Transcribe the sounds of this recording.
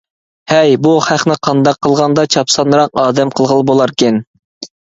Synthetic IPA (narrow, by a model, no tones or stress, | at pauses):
hɛjbuχæχnɪqʰɑnd̪ɑqːəlˠʁɑnd̪ɑt͡ʃʰɑpsɑnɾɑqɑːd̪ɛmqʰəlˠʁəlˠɨbolˠɑɾkʲɛn